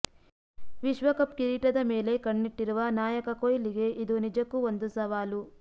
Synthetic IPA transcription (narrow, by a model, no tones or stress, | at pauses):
ʋiʃʋɐkɐpkiɾiʈɐd̪ɐmeːle̞kɐɳːiʈːiɾuʋaːnaːjɐkɐkojliɡe̞ʔid̪unid͡ʒɐkːuond̪usɐʋaːlu